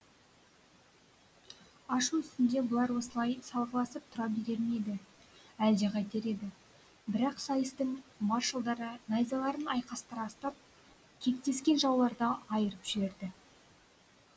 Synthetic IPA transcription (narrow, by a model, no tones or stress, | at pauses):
ɑʃuʏst̪ɪnd̪e̞bʊlˠɑɾwo̞səlˠɑjsɑlˠʁəlˠɑsəp̚t̪ʰʊɾɑp̚beɾe̞ɾme̞jd̪ɪ | æld̪e̞qʰɑjt̪eɾe̞d̪ɪ | bɪɾɑqsɑjəst̪əɴmɑrʃəlˠd̪ɑɾənɑjzɑlˠɑɾənɑjqɑst̪ɑɾɑst̪ɑp̚ | kʲʰe̞k̚t̪e̞skʲe̞nʒɑwlˠɑɾd̪ɑɑjəɾəpʒ̥ɪbe̞ɾd̪ɪ